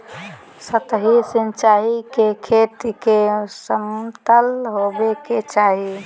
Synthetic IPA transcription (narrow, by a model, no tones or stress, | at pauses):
sət̪ɦisint͡ʃaɦikekʰeʈ̪ikesəmt̪əlɦobeket͡ʃaːɦi